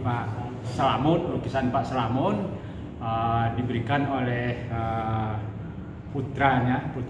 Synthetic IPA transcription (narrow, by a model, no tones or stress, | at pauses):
paʔ | səlamʊt̪lukisanpaʔsəlamʊn | ədibəɾikanolɛhə | put̪ɾaɲaput̪